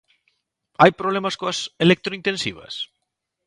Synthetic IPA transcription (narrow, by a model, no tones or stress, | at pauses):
ajpɾoβlemɐskoɐselek̚t̪ɾoint̪ẽnsiβ̞ɐ̰s